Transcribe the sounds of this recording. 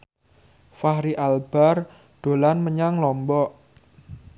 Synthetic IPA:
faɦɾiʔalb̥ar | ɖ̪̥o̤lanməɲaŋlɔmbɔʔ

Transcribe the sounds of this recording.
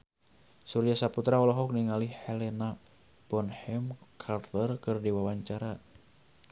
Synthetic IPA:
suɾjasaput̪ɾaɔlɔɦɔk̚niŋalihɛlɛna | bɔnhɛmkʰart̪ərkɨrdiwawaɲt͡ʃaɾa

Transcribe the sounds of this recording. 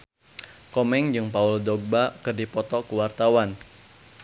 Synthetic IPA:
kɔmɛŋd͡ʒɨŋpauldɔɡ̚bakɨrdipɔt̪ɔkuwart̪awan

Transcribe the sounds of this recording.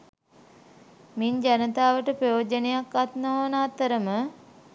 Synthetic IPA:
miɲd͡ʒanət̪aːʋəʈəprəjoːd͡ʒənejakːat̪noːnaːt̪ːəɾəmə

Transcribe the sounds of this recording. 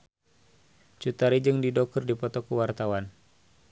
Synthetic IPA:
t͡ʃut̪aɾid͡ʒɨŋdidɔkərdipɔt̪ɔkuwart̪awan

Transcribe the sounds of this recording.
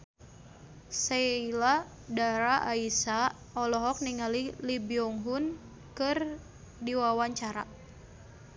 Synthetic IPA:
seila | daɾaʔaisa | ɔlɔɦɔk̚niŋalilibiɔŋɦun | kɨr | diwawaɲt͡ʃaɾa̰

